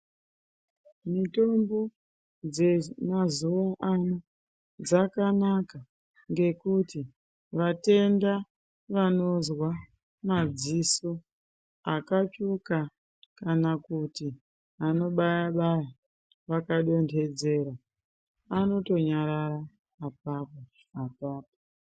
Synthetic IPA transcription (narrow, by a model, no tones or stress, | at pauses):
mito̞mbo̞ | d͡ze̞mazuʋaʔano | d͡zakanaka | ŋɡe̞kuti | ʋate̞nda | ʋano̞zwa | mad͡ziso̞ | akat͡ʃuka | kanakuti | ano̞ɓajaɓaja | ʋakaɗo̞ntʰe̞d͡ze̞ːɾa | ano̞to̞ɲaɾaɾaː | p̚apo | apaːpo